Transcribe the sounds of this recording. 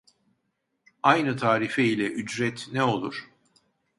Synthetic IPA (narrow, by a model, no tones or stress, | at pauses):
ajnɯt̪ʰaːɾifeilʲɛʔyd͡ʒɾɛt̪nɛo̞lˠuɾ̥